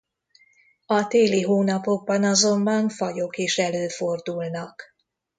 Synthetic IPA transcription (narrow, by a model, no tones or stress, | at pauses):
ɒt̪eːliɦoːnɒpo̞ɡ̚bɒnɒzo̞mbɒɱfɒjo̞keʃɛløːfo̞rd̪ulnɒk